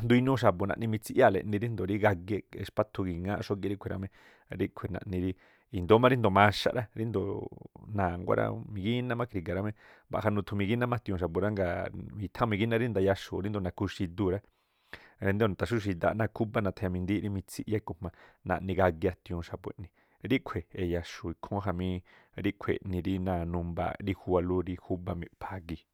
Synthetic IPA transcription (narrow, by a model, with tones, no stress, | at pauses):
nd̪u˧i˧nũ˦ʃ̬a˨po˨nã̰˧˨ʔnĩ˧mĩ˧t͡si˧ʔja˦˨lḛ˨ʔnĩ˧ɾi˦nd̪o˨ɾi˦ɡa˧ɣe˧e˧ʃpa˦t̪ʰu˧ɡi˨ŋã˦ʔʃo˦ɡe˧ɾi˦kʰʷe˨ɾʔa̰˧mẽ˧ | ɾi˦kʷʰe˨nã̰˧˨ʔnĩ˧ɾi˦ | i˨nd̪o˦mã˦ɾi˦nd̪o˨mã˧ʃa̰˧ʔɾa˦ɾi˦nd̪o˨nãː˨ŋɡʷa̰˦ɾa̰˦˧mĩ˧ɡi˦nã˦mã˦kʰɾi˧ɡa˨ɾa˧mẽ˧ba̰˨ɦa˧nũ˧t̪ʰu˧mĩ˧ɡi˦nã˦mã˦t̪ĩ˧ũ˧ʃ̬a˨po˨ɾa˦ŋɡa˧˨mĩ˧t̪ʰã˦˧mĩ˧ɡi˦nã˦ɾi˦nd̪a˧ja˧ʃo̰˨ɾi˦nd̪o˧˨nã˨ku˧ʃi˧d̪u˧ɾa˦ | ɾe˧nd̪e˦˧n˨t̪a˨ʃu˦ʃ̬i˧d̪a̰˧˨˧nã˧kʰu˦ba˦nã˧t̪ʰa˧ja˧mĩ˧nd̪i˦ɾi˦mĩ˧t͡si˧ʔja˦i˧ku˨mã˧nã̰˧˨ʔnĩ˧ɡa˧ɡja˧t̪ĩ˧õ˧ʃa˧pwʷḛ̃˧˨ʔnĩ˧ | ɾi˦kʷʰe˨e˨ja˧ʃu˨i˧kʰõ˦ɦa˧mĩ˧ | ɾi˦kʷʰḛ˨nĩ˧ɾi˦nã˧˨nũ˧mba̰˧ɾi˧hu˧wa˧lu˦ɾi˧hu˦ba˧mĩ˧˨pʰa˧ɡi˧